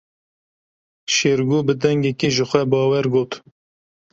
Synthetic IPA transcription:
ʃeːɾɡuːbɨd̪ɛŋɡɛkeʒəxʷɛbɑːwɛɾɡoːt̪

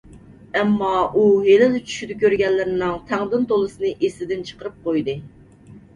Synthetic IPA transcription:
ɛmːɑuɦelɪlɪt͡ʃʰy̥ʃyd̪ɪkʲøɾɡʲɛlːɪɾɪnɨŋt̪ʰɛŋd̪ɨnt̪olˠɨsɨnɨʔesɪd̪ɪnt͡ʃʰə̥qəɾɨp̚qʰojd̪ɨ

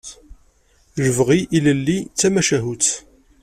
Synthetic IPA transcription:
ʒəvʁiʔiləlːit͡sːæmæʃæɦut͡sː

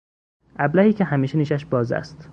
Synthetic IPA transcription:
ʔæblæhiːcʲʰehæmiːʃeniːʃæʃbɒːzæ̰st̪

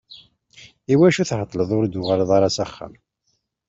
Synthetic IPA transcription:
iwæʃuθhət̪ˤːləðˤʊɾd̪ʊʁaləðˤɑɾɑsæχːə̰m

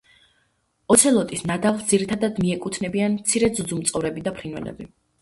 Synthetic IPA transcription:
ɔt̪sʰɛlˠɔt̪ʼisnad̪avld̪ziɾit̪ʰad̪ad̪miɛkʼut̪ʰnɛbianmt̪sʰiɾɛd̪zud̪zumt̪sʼɔvɾɛbid̪apʰɾinwɛ̰lɛ̰bi

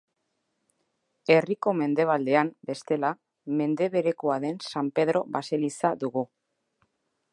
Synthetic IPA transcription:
e̞riko̞me̞nd̪e̞β̞ald̪e̞ambe̞st̪e̞la | me̞nd̪e̞βe̞ɾe̞koaðe̞nsampe̞ð̞ɾo̞βase̞lisaðuɣu

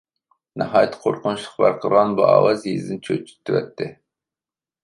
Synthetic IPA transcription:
nɨɦɑːjt̪ʰːqʰoɾqʰʊnuʃlˠəqbæɾqʰəɾʁɑnbuɑ̰ːwɑzjizd̪ɨnt͡ʃʰøt͡ʃʰːi̥t̪ʰːywɛ̰t̪ʰːɪ

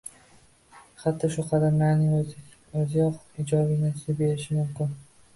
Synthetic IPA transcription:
χɑt̪ʰːɪʃʊqʰɑd̪amlaɾnɪŋ | ɵzɪjɒqɪd͡ʒɒbɪnasɪbe̞ɾɪʃɪmʊmkʲɪn

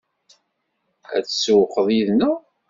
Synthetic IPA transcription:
æ̰t͡sːswəqːəðˤjiðnu

